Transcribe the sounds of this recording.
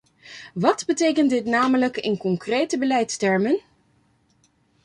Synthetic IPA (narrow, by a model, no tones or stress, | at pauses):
ʋɑdbətejkəntdɪtnaːmələkɪ̰nkɔŋkrejtəbəlɛjtstɛɹmən